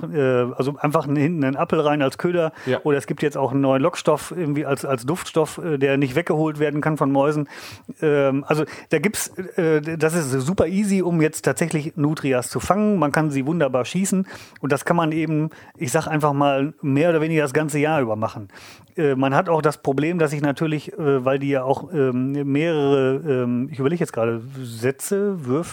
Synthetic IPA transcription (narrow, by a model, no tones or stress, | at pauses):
ɛːʔalzoʔaɪnfaχnhɪntn̩aɪnapl̩ʁaɪnalskʰøːdɐʔoːɾɐɛsɡ̥iːp̚tjɛt͡staʊxn̩ːɔʏənlɔkʃtɔfʔɪɐɡŋ̩tv̥iːalsalsd̥ʊftʃtɔfʔɛːdeːɐnɪçtv̥ɛk̚ɡ̥əhoːltveːɐdn̩kʰanfɔnmɔʏzn̩ʔɛːmʔalzod̥aːɡiːp̚tsʔɛːd̥as̬ɪstz̥uːpɐʔiːziʊmjɛt͡stʰaːtz̥ɛçlɪçnuːtʁ̥iast͡sufaŋənmankanziːvʊndɐbaːɐʃiːsn̩ʔʊntd̥askʰanmanʔeːbm̩ʔɪçz̥aːχʔaɪnfaχmaːlmeːɐoːdɐveːnɪɡɐdas̬ɡ̥ant͡səjaːɐʔyːbɐmaχn̩ | ʔɛːmanɦataʊxd̥aspʁ̥obleːmdas̬ɪçnatʰyːɐlɪçɛːvaɪldiːjaːaʊxɛːmmeːʁəʁəʔɛːmɪçʔyːbɐleːɡəjɛt͡sɡ̥ʁaːɾəzɛt͡səvʏɐf